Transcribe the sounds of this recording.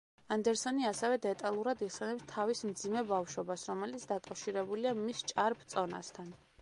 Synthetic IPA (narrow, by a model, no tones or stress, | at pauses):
and̪ɛɾsɔniasɛvɛd̪ɛt̪ʼalˠuɾad̪iχsɛnɛpst̪ʰavismd̪zimɛbafʃwɔbasɾɔmɛlit̪sʰd̪akʼafʃiɾɛbuliamist͡ʃʼaɾpʰt̪sʼɔna̰st̪ʰan